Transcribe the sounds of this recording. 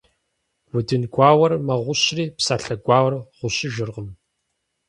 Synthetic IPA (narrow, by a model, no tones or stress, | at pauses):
wʊdɨnɡʷaːwɐrmɐʁʷʊɕriːpsaːɬɐɡʷaːwɐrʁʷʊɕɪʒɪrʁəm